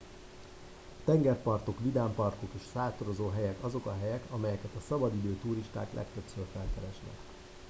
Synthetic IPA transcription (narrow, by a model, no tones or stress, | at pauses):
t̪ɛŋɡɛrpɒrt̪o̞kʋid̪aːmpɒrt̪o̞keːʃsaːt̪oɾo̞zoːɦɛjɛkɒzo̞kɒɦɛjɛkɒmɛjɛkɛt̪ɒsɒbɒd̪id̪øːt̪uːɾiʃt̪a̰ːklʔɛ̰kt̪ø̞psøːrfɛlkɛɾɛʃnɛ̰k